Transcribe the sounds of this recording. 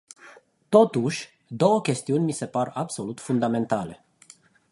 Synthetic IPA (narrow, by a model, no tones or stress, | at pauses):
t̪o̞t̪uʃʲ | d̪o̞wəkʲe̞st̪iunʲmise̞parabso̞lut̪fund̪ame̞nt̪ale̞̰